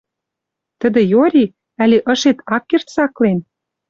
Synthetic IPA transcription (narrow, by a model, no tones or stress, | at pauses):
t̪ə̆d̪ə̆joɾʲi | ælʲeʔə̆ʃet̪ɑkːert̪sɑklen